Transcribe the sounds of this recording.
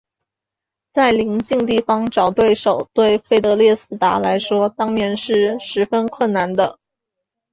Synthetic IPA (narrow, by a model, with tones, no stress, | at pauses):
t͡sa˥˩ɪli˧˥ŋt͡ɕi˥˧ŋt̪̬i˥˩fɑ˧˥ŋʈ͡ʂɑ˨˩ʊt̪we˥˩ɪʂo˨˩ʊt̪we˥˧ɪfe˥˩ɪt̪ɤ˧˥ljɛ˥˧sɹ̩˥˩t̪a˧˥la˧˥ɪʂwɔ˥t̪ɑ˥ŋnjɛ˧˥nʂɻ̩˥˩ʂɻ̩˧˥fə˥nkʰwə˥˩nna˧˥nd̪ə˧